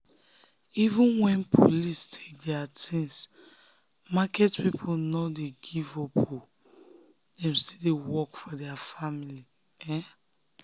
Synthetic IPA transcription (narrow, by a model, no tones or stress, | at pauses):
ivũnwɛ̃npʰolistʰe̥k̚dɛatʰĩns | makɛtpipʰonɔdeɡivɔpo | d̥ɛ̃mstidewɔkfɔdɛafamili | ɛ̃